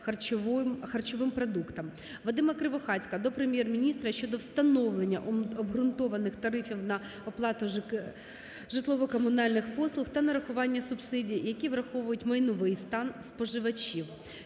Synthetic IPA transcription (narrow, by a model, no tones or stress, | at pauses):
xɐrt͡ʃɔʋɪmpɾɔd̪ukt̪ɐm | ʋɔd̪ɪmɐkɾɪʋɔxɑt͡sʲkɐd̪ɔpɾemʲjɛrmʲinʲist̪ɾɐʃt͡ʃɔd̪ɔwst̪ɐnɔʋlˠenʲːɐʔɔbɦɾʊnt̪ɔʋɐnɪxt̪ɐɾɪfʲiwnɐ | ɔplˠɑt̪ʊ | ʒɪt̪lˠɔʋɔkɔmʊnɑlʲnɪxpɔslˠʊxt̪ɐnɐɾɐxʊʋɑnʲːɐsʊbsɪdʲijjɐkʲiʋrɐxɔʋʊjʊtʲmɐjnʊʋɪjst̪ɑnspɔʒɪʋɐt͡ʃʲiw